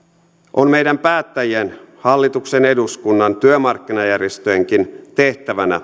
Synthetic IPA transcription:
ʔonme̞jdæmpæːt̪ːæjien | hɑlːit̪uksene̞duskunːɑnt̪yømɑrkːinɑjærjest̪øeŋkint̪e̞ht̪æʋænæ̰

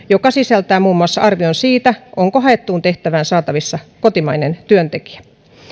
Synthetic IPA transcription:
jokɑsisælt̪æːmuːmːuɑsːɑ̰ɑrʋionsiːt̪æʔoŋkoɦɑet̪ːuːnt̪e̞ht̪æʋæːnsɑːt̪ɑʋisːɑkot̪imɑinent̪yønt̪eki̥æ̥

